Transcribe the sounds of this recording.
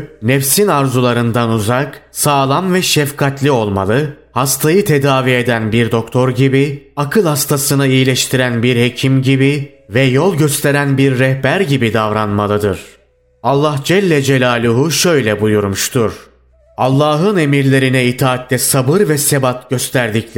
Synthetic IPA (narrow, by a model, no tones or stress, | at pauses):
nɛfsinaɾzulˠaɾɯnd̪anuzaksaːlˠamvɛʃɛfkʰat̪lʲio̞lˠma̰lˠɯ | hast̪ʰajɯt̪ʰe̞d̪aːvie̞d̪ænbiɾd̪o̞k̚t̪ʰo̞ɾɟibiakʰɯlˠhast̪ʰasɯnɯijlʲɛʃt̪ʰiɾænbiɾhe̞cʰimɟibi | vɛjolˠɟøst̪ʰe̞ɾænbiɾːɛhbæɾɟibid̪avɾanmalˠɯd̪ɯ̰ɾ̥ | alˠːahd͡ʒɛlʲːɛd͡ʒelʲaːlʲuɦuʃøjlʲɛbujuɾmuʃt̪ʰuɾ̥ | alˠːaːɦɯne̞miɾlʲe̞ɾinɛit̪ʰaːt̪ːɛsabɯɾvɛsebat̪ɟø̞st̪ʰæɾd̪ic